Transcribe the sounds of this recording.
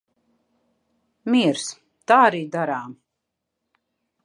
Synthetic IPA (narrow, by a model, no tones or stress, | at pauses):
miɛɾs | t̪aːaɾiːd̪aɾaːm